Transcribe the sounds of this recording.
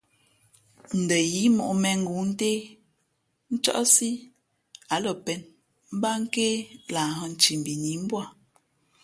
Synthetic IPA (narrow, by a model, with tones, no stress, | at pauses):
n̩˨də˨ji˨˦mɔ̰˨ʔmɛ˨ŋ̩˦ɡu˨˦n̩˦te˦ | n̩˦t͡ʃɔ̰˦ʔsi˦ | a˨˦lə˨pɛ˨˦n | m̩˦ba˦ŋ̩˦ke˦la˨ɦɔ˦˨n̩˨t͡ʃi˨m̩˨bi˨ni˨˦m̩˦bwa˦˨